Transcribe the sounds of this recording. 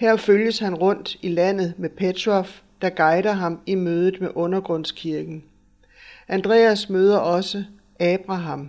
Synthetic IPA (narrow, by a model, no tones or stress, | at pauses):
heɐ̰føljəshænʁɔ̽n̰d̥ilæn̰ð̞̩ˠmepʰe̥ɒf | d̥ɑ̈ɡ̥ɑ̈ɪɾ̥ɐɦɑ̈mimøːð̞ˠð̩ˠmeʔɔ̽nɐɡ̥ʁɔ̽n̰skʰiɐɡ̥n̩ | ʔænd̥ʁɛ̰ːæsmøːð̞ˠɐʔɒ̽sə | ɛːb̥ʁɑ̈ɦɑ̈m